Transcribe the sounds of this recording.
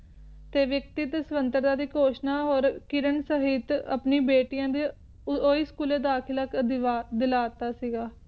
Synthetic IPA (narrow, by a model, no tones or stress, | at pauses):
t̪eːʋjək̚t̪iːt̪esʋənt̪əɾd̪ãːd̪iːkoːʃnaːɦoːɾkɪɾəɳsəɦɪt̪ə̰pniːbeːʈɪjãːd̪iː | oːiːskuːleːd̪aːkʰɪlək̪ad̪ɪlaːt̪aːsiːɡaː